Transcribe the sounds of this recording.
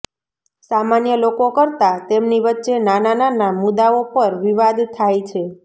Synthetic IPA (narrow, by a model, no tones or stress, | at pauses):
samanjəlokokəɾt̪at̪emniʋətːʃenanananamud̪aopəɾʋiʋad̪t̪ʰajt͡ʃʰe